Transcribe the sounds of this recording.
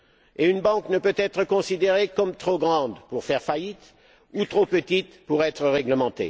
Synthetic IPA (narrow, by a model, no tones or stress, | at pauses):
eynbɑ̃knəpøt̪ɛt̪χəkɔ̃sid̪eʁekɔmt̪χoɡʁɑ̃d̪puʁfɛʁfait̪ | ut̪χopət̪it̪puʁɛt̪χəʁɛɡləmɑ̃t̪ḛ